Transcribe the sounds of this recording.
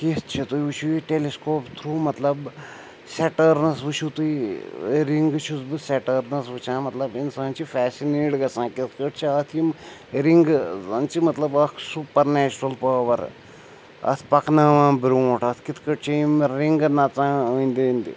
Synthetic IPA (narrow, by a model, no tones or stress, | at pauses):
kist͡ʃʰit̪ujʋut͡ʃʰuiʈeleskoːpt̪ʰɾuːmɐt̪lɐb | seʈəːɾnɐsʋɨt͡ʃʰut̪ui | ɾiŋɡt͡ʃʰusbɨsɛʈəːɾnɐsʋɨt͡ʃʰãːmɐt̪lɐbinsaːnt͡ʃʰifɛːsineːɖɡɐsãːkit̪ʰkəʈ̚t͡ʃʰiɐt̪ʰimɾiŋɡzɐnt͡ʃimɐt̪lɐbɐkʰsupɐɾneːt͡ʃuɾɐlpəːʋɐɾ | ɐ̰t̪ʰpɐknaːʋãːbɾuːʈʰɐt̪ʰkit̪ʰkəʈ̚t͡ʃʰiimɾiŋɡnɐt͡sãːənʲd̪ind̪ḭ